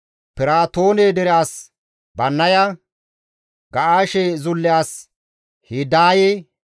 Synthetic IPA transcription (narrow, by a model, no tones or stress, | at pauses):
pɪɾaːt̪o̞ːned̪ɛɾɪjaːs | bɐnːɐjɐ | ɡɐʔaːʃezʊlːɪjaːs | hid̪aːje